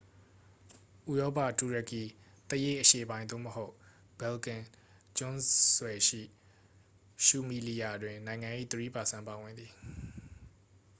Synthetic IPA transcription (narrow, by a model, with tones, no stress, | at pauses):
ʔu˦˨jɔ˦pä̰˦˨tu˨ɹə˨ki˨ | t̪ə˦je˦˨ʔəʃe˦˨bã˦ɪ̃nd̪o̰˦˨məɦo˦ʊ | b̥ɛ˨lkɪ̃˨ | t͡ɕʊ̃˦nswɛ˨ʃḭ˦˨ | ʃu˨mi˨li˨ja˨dwɪ̃˨nã˨ɪ̃ŋã˨ʔḭ˦˨d̪əɹḭ˦pa˨sã˨mpa˨wɪ̃˨nd̪ði˨